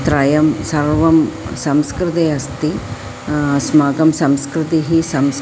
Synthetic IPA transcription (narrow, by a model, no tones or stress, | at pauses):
t̪ɾaːjɐmsɐɾʋɐmsɐmskɾɪt̪eːɐst̪i | smaːɡɐmsɐmskɾɪt̪iɦisɐms